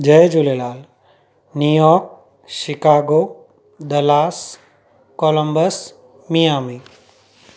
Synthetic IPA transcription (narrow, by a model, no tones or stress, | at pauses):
d͡ʒɐjd͡ʒulelaːl | nujɔːɾk̚ | ʃɪkaːɡoː | d̪ɐlaːs | koːləmbəs | mijaːmi